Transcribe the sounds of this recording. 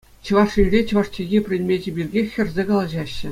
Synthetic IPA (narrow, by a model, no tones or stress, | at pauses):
t͡ɕɤ̆ʋɑʂirʲet͡ɕɤ̆ʋɑʂt͡ɕeɣʲipʲrʲɘ̆nʲmʲed͡ʑɘ̆bʲirʲɡʲexʲːɘ̆rʲzʲekɑlˠɑʑɑɕːɘ̆